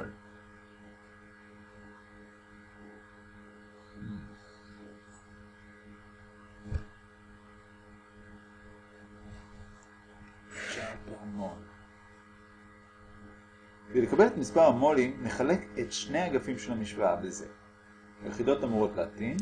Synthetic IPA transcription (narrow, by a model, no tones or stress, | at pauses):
ʃapeamon | velekabe̞le̞tamispaʁhamo̞limneχale̞ketʃne̞jaɡafimʃelamiʃvaabeze̞̰ | haleχido̞tamuʁo̞tleatin